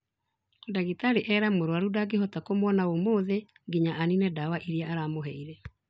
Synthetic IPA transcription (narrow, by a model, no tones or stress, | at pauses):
daɣitaɾeʔɛɾamoɾwaɾudaɡeɦɔtakomwɔnaomoːðe | ɡiɲaʔaninɛdawaʔiɾiaʔaɾamoɦɛiɾɛ